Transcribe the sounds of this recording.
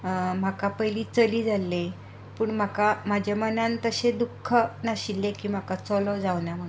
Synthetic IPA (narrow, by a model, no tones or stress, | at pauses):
m̤akapəɦjliːt͡səliːd͡zʱalːe | puːɳm̤akam̤ad͡ʑamənant̪əɕed̪ukʰːənaɕiljekiːm̤akat͡sɔlɔd͡zaʋnjam̤ə